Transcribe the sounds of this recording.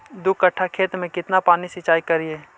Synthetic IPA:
d̪ʊkːɐʈʰːakʰeːt̪mẽkɪt̪napaːnisɪt͡ʃaːikɐɾieː

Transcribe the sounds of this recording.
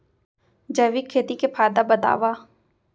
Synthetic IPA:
d͡ʒəʋikʰːeːt̪ikepʰaːd̪abəd̪a̰ːʋaː

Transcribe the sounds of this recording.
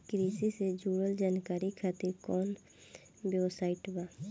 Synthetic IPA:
kɾiːsised͡ʒuːɾəld͡ʒaːnkaːɾikʰaːt̪iɾkɔːn | bjɛʋsaːɪʈbaː

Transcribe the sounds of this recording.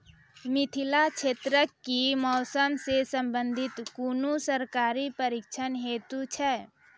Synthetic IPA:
mɪt̪ʰilat͡ʃʰeːt̪ɾəkːimɔːsəmsesə̃mbə̃nd̪ʱɪt̪kunusəɾkaːɾipəɾikt͡ʃʰənɦeːt̪ut͡ʃʰɛ

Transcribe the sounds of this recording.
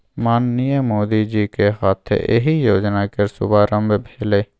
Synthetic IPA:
maːnːijəmoːd̪id͡ʒikeɦaːt̪ʰḛʔḛɦijoːd͡ʒnakeɾsʊ̰baɾə̃mbebʱeːleː

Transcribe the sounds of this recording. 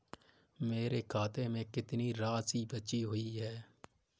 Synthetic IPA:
meːɾekʰaːt̪emẽkɪt̪niɾaːsibətːʃiɦʊiɦɛː

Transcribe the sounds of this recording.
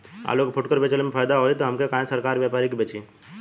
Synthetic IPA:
a̰ːlokpʰʊʈkəɾpet͡ʃəlmẽpʰaːjd̪aɦoit̪oɦəmkekãːẽsəɾkaːɾʋjapaːɾikbʱeːt͡ʃiː

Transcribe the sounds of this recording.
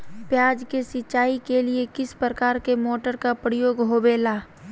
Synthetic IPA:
pjaːd͡ʒkesɪt͡ʃaːikeliekɪspɾəkaːɾkemoːʈəɾkapɾɪjoːɡɦoːbeːlaː

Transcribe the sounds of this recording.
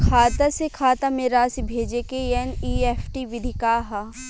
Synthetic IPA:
kʰaːt̪asekʰaːt̪ameɾaːsibʱeːd͡ʒekeeniːefʰʈiʋɪd̪ʱɪkaːɦa

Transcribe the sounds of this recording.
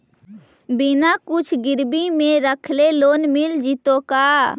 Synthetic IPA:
bɪnakʊt͡ʃʰɡɪɾbimẽɾəkʰleloːnmɪld͡ʒɪt̪okaː

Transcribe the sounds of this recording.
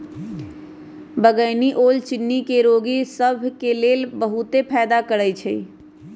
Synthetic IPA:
bəɡəjniʔolt͡ʃinːikeɾoɡisəbʱkelelbəɦut̪epʰɛːd̪akəɾəjt͡ʃʰɛi

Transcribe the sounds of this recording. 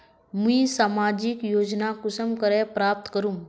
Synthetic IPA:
mĩːsaːmad͡ʑikjoːd͡ʒnakusəmkəɾepɾap̚t̪kəɾuːm

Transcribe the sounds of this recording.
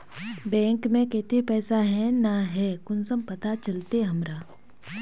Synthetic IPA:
bɛ̃ːŋkmẽket̪epɛːsaɦɛ̃naɦɛkʊnsəmpɐt̪at͡ʃɐlt̪eɦɐmɾaː

